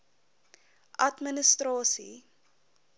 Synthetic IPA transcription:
ʔɐtmənəstrɑːsḭ

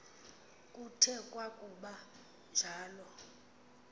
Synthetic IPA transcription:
kʼutʰɛkʼwakʼuɓa | nd͡ʒʱaːlɔ

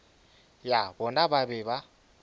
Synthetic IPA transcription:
jabɔnaβabɛβa

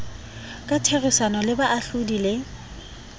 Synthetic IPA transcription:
kʼatʰerɪsanɔlɪbaʔaɬʊdilɪ

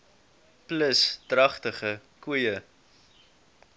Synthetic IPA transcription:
pləstrɐχtəχəkuəjə

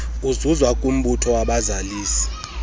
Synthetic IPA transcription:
uzuzwakʼum̩ɓutʰɔwaɓazaliːsi̥

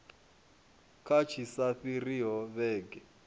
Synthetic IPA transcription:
kʰat͡ʃʰisaɸiriɦɔβɛːɡɛ

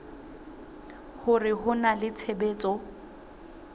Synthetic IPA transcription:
hʊrɪɦʊnalɪt͡sʰebeːt͡sʼɔ

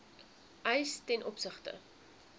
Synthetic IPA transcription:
ʔəjstɛnʔɔpsəχtə̰

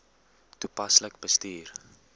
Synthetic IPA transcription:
tupɐsləkb̥əstiːr

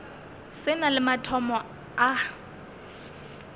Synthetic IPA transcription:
sɪnalɪmatʰɔmɔ | a

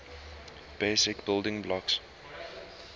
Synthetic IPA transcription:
b̥eɪsɪkbɪlˠdɪ̃ŋblɔks

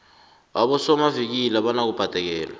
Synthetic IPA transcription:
aɓɔsɔmavik̬ilaɓanak̬ub̥ʱad̥ʼʱɛk̬ɛːla

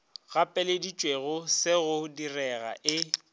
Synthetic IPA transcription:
ɣapʼɛledit͡ʃʼweɣʊsɪɣʊdirɛɣa̰ʔɪ

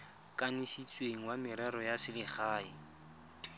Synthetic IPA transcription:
kʼanisit͡sʼweŋ̩wamɪɾɛɾɔjasɪlɪχaːi

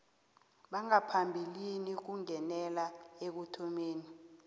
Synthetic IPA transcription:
ɓaŋapʰambʱilinik̬uŋɛnɛlaek̬utʰɔmeːni

